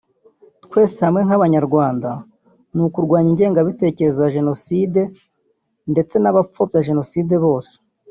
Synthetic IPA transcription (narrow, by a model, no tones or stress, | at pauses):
tkwe̞ːsehamŋe̞ŋ̥aβaɲaɾɡwaːnda | nukuɾɡwaːɲiɲɟe̞ːŋɡaβite̞ːce̞ɾezojaʒe̞no̞siːde̞ | nde̞t͡se̞naβap͡ffo̞bjaʒe̞no̞siːde̞βo̞ːse̥